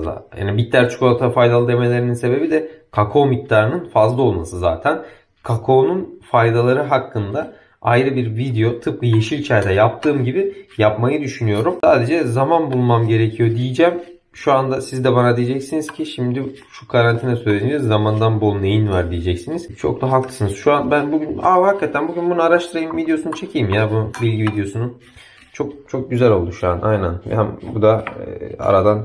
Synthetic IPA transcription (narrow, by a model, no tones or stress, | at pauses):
a̰ja̰ːnibit̪ːæɾt͡ʃʰu̥kʰoat̪ʰafajd̪alˠɯd̪e̞me̞lʲe̞ɾininse̞be̞bid̪ɛkʰakʰo̞ːmic̚d̪ʰaːɾɯnɯnfazlˠao̞lˠma̰sɯza̰ːt̪ʰæn | kʰakʰo̞ːnunfajd̪alˠaɾɯɦakːɯnd̪a | ajɾɯbiɾvid̪ejo̞t̪ʰɯp̚kʰɯjeʃilʲit͡ʃʰɛɾd̪ɛjap̚t̪ʰɯːmɟibijapmajɯd̪yʃynyjo̞ɾumsaːd̪e̞d͡ʒɛzamanbulˠmamɟe̞ɾecʰijo̞d̪ijid͡ʒɛm | ʃuand̪asizd̪ɛbanad̪ijed͡ʒɛcsiniz̥cʰiʃimd̪ɪ | ʃu̥kʰaɾant̪ʰinɛsøjlʲeiiizzːamand̪anbolˠunejinvaɾd̪ijed͡ʒɛcsiniz̥t͡ʃʰo̞̰kt̪aɦalk̪ˠklˠɯ̥sɯnɯz̥ʃuanbænbuɡɟynahakːat̪ʰænbuɟʲynbunuaɾaʃt̪ʰɯɾajɯmvid̪ejo̞sunut͡ʃʰe̞cʰijimjabunubilʲɟivid̪ejo̞sunu | t͡ʃʰo̞k̚t͡ʃʰo̞k̚ɟyzælʲo̞lˠd̪uʃuaanʔa̰jnænvɛ̰hæmbud̪a | a̰ɾad̪an